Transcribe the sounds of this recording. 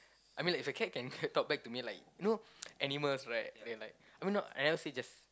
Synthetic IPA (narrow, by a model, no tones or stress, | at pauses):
ʔajmĩlaɪk̚ifəkʰɛt̚kɛ̃ntɔk̚bɛk̚tumilaɪk̚jnoʔɛniməlsɹaɪt̚dɛlaɪk̚aɪjmĩnɔʔɛ̰nɛsid͡ʒas